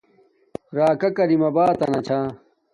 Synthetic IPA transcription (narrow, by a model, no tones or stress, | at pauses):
ɾaːkɐkɐɾimɐbaːt̪ɐnɐt͡ɕʰaː